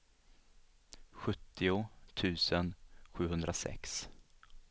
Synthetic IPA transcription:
ɧɵt̪ʰːɪʊt̪ʰʉ̟ːsənɧʉ̟ːɦɵnd̪ɾʔasɛ̰ks

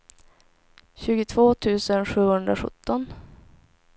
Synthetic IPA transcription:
ɕʉ̟ːɡɪt̪ʰvoːt̪ʰʉ̟ːsənɧʉ̟ːhɵnd̪ɾaɧɵ̰t̪ːɔn

